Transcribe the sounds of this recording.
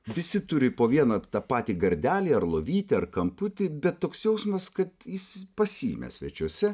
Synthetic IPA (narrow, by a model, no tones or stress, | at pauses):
ʋʲɪsʲɪt̪ʊɾʲɪpoːʋʲiɛnɐt̪ɑːpɑːt̪ʲiːɡɐɾʲd̪ʲæːlʲiːɐɾlˠoːʋʲiːt̪ʲɪɐrkɐmpʊt̪ʲɪbʲɛt̪ːoːksjɛʊsmɐskɐt̪jɪspɐsʲiːmʲɛ̰sʲʋʲɛt͡ʃʲuɔsʲɛ